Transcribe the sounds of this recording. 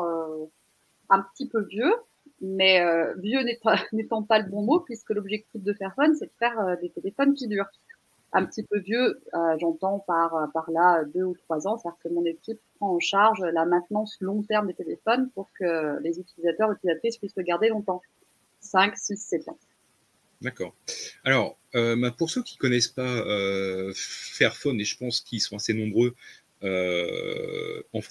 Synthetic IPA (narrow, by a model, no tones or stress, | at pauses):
ø | ɛ̃pə̥t̪ipøvjø | mɛøvjønet̪net̪ɑ̃paləbɔ̃mopɥiskəlɔbʒɛk̚t̪ifd̪əpɛʁsɔnsɛd̪əfɛʁød̪et̪elefɔnkʲid̪yːʁ | ɛ̃pət̪ipøvjøøʒɑ̃t̪ɑ̃paʁøpaʁlaød̪øut̪χwazɑ̃st̪ad̪iʁkəmɔ̃nekʲippχɑ̃ɑ̃ʃaʁʒølamɛ̃t̪nɑ̃slɔ̃t̪ɛʁmd̪et̪elefɔnpuʁkəlezyt̪ilizat̪œʁyt̪ilizat̪χispɥisʁəɡaʁd̪elɔ̃t̪ɑ̃ | sɛ̃ksisːɛt̪ɑ̰̃ | d̪akɔːʁalɔʁømɛ̃puʁsøkʲi̥kɔnɛspaø | fɛʁfɔneʒəpɑ̃skʲisɔ̃asenɔ̃bʁø | ø | ɑ̃f